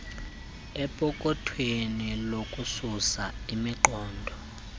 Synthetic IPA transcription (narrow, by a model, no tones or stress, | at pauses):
ɛpʼɔkʼɔtʰwenilokʼususaimiǃɔːndʱɔ